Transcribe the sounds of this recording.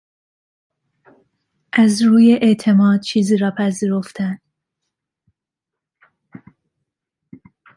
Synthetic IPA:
ʔæzɾuːjeʔeʔt̪ʰe̞mɒːd̪̥̚t͡ʃʰiːziːɾɒːpʰæziːɾo̞ft̪ʰæn

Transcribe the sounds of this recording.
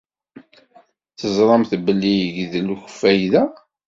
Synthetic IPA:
θəzˤɾˤɑmθbəlːijəʝðluçə̥fːæjðæ

